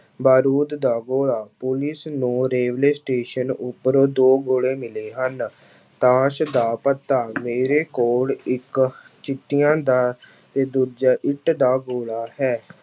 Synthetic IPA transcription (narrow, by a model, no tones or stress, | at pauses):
baːɾuːd̪d̪aːɡoːɭaːpʊlɪsnũːɾeːʋleːsʈeːʃənʊpːəɾoːd̪oːɡoːɭeːmɪleːɦən | t̪aːʃd̪aːpət̪ːaːmeːɾeːkoːɽɪk | t͡ʃɪt̪ːɪjãːd̪aː | t̪eːd̪uːd͡ʒaːʔɪʈd̪aːɡoːɭaːhɛː